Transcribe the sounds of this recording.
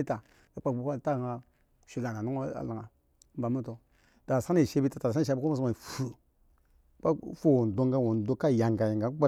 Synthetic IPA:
i˦ta˨ | ka˨k͡pa˦˨bu˦ka˦˨ta˦ŋa˨ | ʃi˦ɡa˨n˨a˨nu˦a̰˨la˨ŋa˨˦ | m̩˦ba˨mu˦to˨ | ta˨sa˦ni˦˨ʃe˦bi˦ta˨ta˨˦˨ʃa˦bi˦ko˦ma˦s̬ma˨i˨fu˨ | k͡pa˦˨˦fo˦wo˨n˨do˦ŋɡa˦wo˨ndo˦ka˦˨ja˨ŋɡa˨ji˨ŋɡa˨˦a˦

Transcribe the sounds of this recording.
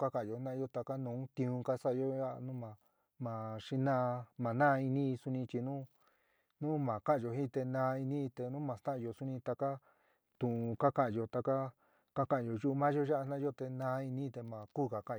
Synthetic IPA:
ka˦kã˧˨jo˧nã˦˧o˦t̪a˧ka˦nũː˨˧˦t̪ĩ˧ũ˧ka˦sa˦˧jo˦a˦ʔa˧nũ˦mã˨ | mã˨ʂi˦nã˦˧mã˨nãː˦˧i˧nĩ˦˧su˧nĩ˧t͡ʃi˧nũ˦ | nũ˦mã˨ka˦ʔjo˧ɦĩ˦t̪e˧nã˧i˧nĩ˦˧t̪e˧nũ˦mã˨st̪ã˦˧jo˧su˦nĩ˧t̪a˧ka˦ | t̪ũ˨˧ka˦kã˧ʔjo˧t̪a˧ka˦ | ka˦kã˧ʔjo˧ju˦˧mã˦jo˦ʒa˦a˧nã˦jo˦t̪e˧nã˧˦i˧nĩ˦˧t̪e˧mã˨kuː˦˨ka˨ka˦ʔ

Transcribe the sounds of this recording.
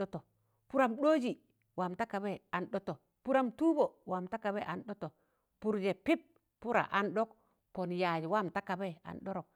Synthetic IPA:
o˦to˨ | pu˦ɾa˦mɗo˦d͡ʒi˨ | wa˨mta˦ka˨be˦a˨nɗo˦to˨ | pu˦ɾa˦mtu˦bo˨wa˨mta˦ka˨be˦ʔa˨nɗo˦to˨ | pu˦ɾd͡ʒe˨pi˦p̚ | pːu˦ɾa̰˨ʔa˨nɗo˦k | po˨nja˨d͡ʒi˨wa˦mta˦ka˨be˦a̰˨nɗo˦ɾo˨k̚

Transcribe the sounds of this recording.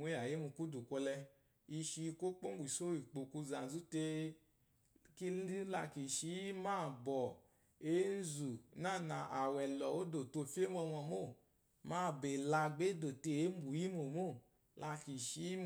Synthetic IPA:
o˨˦a˨je˦mu˧ku˦du˨kʷo˧lɛ˧ | i˧ʃi˧ko˦k͡po˦ɡ͡bi˨so˦i˨k͡po˨ku˧za˨n˨zu˦te˧ | ki˦li˦la˧˨ki˨ʃi˨˦maː˦˨bɔ˨ | e˨˦n̩˦zu˨na˦˨na˨ʔa˨wɛ˨lɔ˨wo˦do˨to˧˨fe˦mɔ˧mɔ˧mo˦˨ | ma˦˨be˨la˧ɡ͡be˦do˨te˧e˨˦m˦bu˨ji˦mo˨mo˦˨ | la˧˨ki˨ʃi˦

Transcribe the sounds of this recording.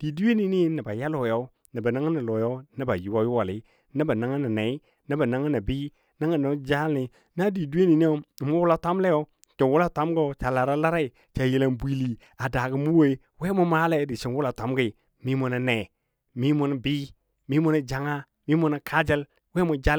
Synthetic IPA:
d̥i˨du˦e˦ni˨ni˦na˨ba˨ja˦lo˨jo˦ | na˨ba˨na˦ŋa˦na˨lo˨jo˦na˦ba˨ji˨wa˦ju˦wa˨li˦ | na˦ba˨na˨ŋa˦na˨ne˨i˦ | na˦ba˨na˦ŋa˦na˨bi˦ | na˦ŋa˦no˦d͡ʒa˦lni˨ | na˦di˨du˦e˦ni˨ni˦o˦˨mu˦wu˦la˦tʷa˦mle˦jo˦ | t͡ʃi˨nwu˦la˦tʷa˦mɡo˦o˨˦t͡ʃa˨la˨ɾa˦la˦ɾa˦i˨ | t͡ʃa˨ji˨la˨nbʷi˨li˨ | a˨da˨ɡi˨mu˦we˦i˦ | we˦mo˦ma˦le˦di˨t͡ʃi˨nwu˦la˨ta˦mɡi˨ | mi˦mo˨na˨ne˨ | mi˦mo˦n˨bi˦ | mi˦mu˦na˦d͡ʒa˨ŋa˦ | mi˦mo˦na˨kʰa˦d͡ʒa˦l | we˦mo˨d͡ʒa˦

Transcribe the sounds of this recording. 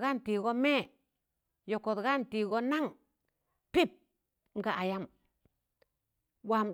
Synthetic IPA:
ɣa˦nti˨ɡo˦me˦ | jo˨ko˨tɡa˦nti˨ɡo˦na˦ŋ | pi˦p̚ | ŋ˦ɡa˨ʔa˨ja˦m | wa˨m

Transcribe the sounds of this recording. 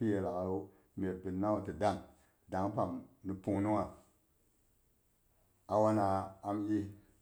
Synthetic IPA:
i˦je˨ɾa˨ku˦ | me˨t̚bɨ˨nːa˦u˨tɨ˨da˦˨ŋ | da˨ŋ˦pa˨mnɨ˨pu˧ŋnu˦ŋa˨ | a˨wa˦naː˧˦mi˦

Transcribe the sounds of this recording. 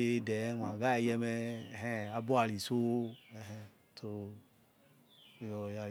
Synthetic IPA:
e˦dɛ˨˦ŋ˨a˨ɡa˦ɛ˨jɛ˧mɛ˧˨ɦɛ̃˦a˨bo˦a˨li˨so˦ɛ˨ɦɛ̃˦ | tʰo˧˨ | jɔ˨ja˨

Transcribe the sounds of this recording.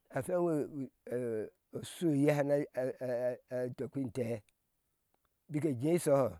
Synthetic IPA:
a˨fe˦we˦˨ | o˨su˦˨je˦ha˦na˦˨˦do˨ki˦n̩˨tɛ˦ | bi˦ke˨d͡ʒẽ˦i˦so˦ho˨

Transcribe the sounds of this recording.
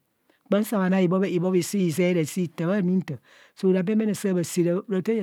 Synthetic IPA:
k͡pe˦n̩˦sa˨ma˨na˦i˨bo˦i˨bo˦bi˨si˦i˨ze˦ɾe˨si˦˨tə˨ba˦˨ni˦n̩˦tə˨ | so˦u˨ɾa˨be˦me˦ne˨se˦˨ba˨si˨ɾɾo˨te˦˨

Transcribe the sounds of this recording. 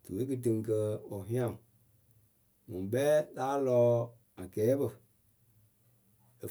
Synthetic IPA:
tɨ˨we˨˦kɨ˦tɨ˧ŋ˦kə˧o˨ɦĩ˦ã˦˨ | ŋũ˨ɓɛ˦laː˨˦lɔː˦ | a˨ɡɛː˨˦bə˨ | e˨

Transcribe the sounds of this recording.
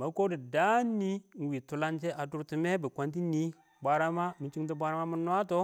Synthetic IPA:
ma˨˦ko˦di˨da˦ni˦n̩˨wi˨tu˨la˦nt͡ʃe˦ʔa˨tu˦ɾti˨me˦bə˨kʷa˨nt̬i˦ni˦ | ba˨ɾa˦ma˦mi˨t͡ʃi˦ŋt̬i˦ba˦ɾa˦ma˦mi˦nwa˦to˦

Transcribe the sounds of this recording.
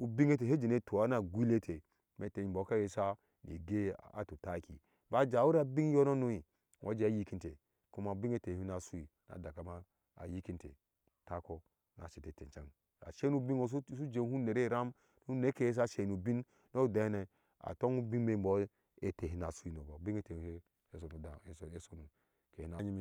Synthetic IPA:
u˨bi˦ŋe˦te˨ɦe˦d͡ʒe˨ne˦to˨a˨˦na˨ɡʷi˦le˦tʰe˨ | me˨te˨i˨bo˨˦ka˦je˦sa˦ | nḭ˨ɡe˦˨a̰˨˦tu˨ta˦˨kḭ˨ | ba˦d͡ʒa˨wu˦ɾa˦bi˦ŋ˦jo˦no˦no˦i˨ | o̰˨˦d͡ʒe˨˦ji˦ki˦nte˨ | ku˦ma˨u˨bi˦ŋe˦te˨i˦na˨su˦i˨na̰˨da˨ka˨ma˦ | a̰˨ji˦ki˦ntḛ˨ | ta˦ko˨ | na̰˨ʃe˨te˨te˨t͡ʃa˦ŋ | a̰˨ʃe˦nu˦bi˦ŋo˦su˦d͡ʒe˦hu˦ne˨ɾe˦˨ɾa˦m | n˦u˦ne˨˦ke˦je˦s̬a˦ʃe˨nu˨bi˦n | no˦˨de˨˦e˦ne˨ | a̰˨to˦ŋu˦bi˦n˦be˦mbo˦ | e˦te˨ɦi˦na˨su˦i˨no˨ba˨bi˦e˦te˨e˦ | e˦so˨nu˨da˨e˦so˨nu˨ | ke˨i˨na˨˦ɲi˦i˦

